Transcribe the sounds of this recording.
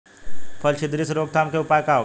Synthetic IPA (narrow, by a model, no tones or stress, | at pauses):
pʰəlt͡ʃʰɪd̪ɾisɾoːk̚t̪ʰaːmkeʊpaːjkaːo